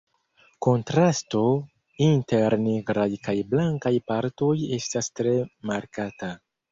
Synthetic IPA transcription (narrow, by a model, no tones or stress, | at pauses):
ko̞ntɾasto̞ | inte̞ɾneɡɾajkajblaŋkajpaɾto̞je̞stastɾe̞maɾkata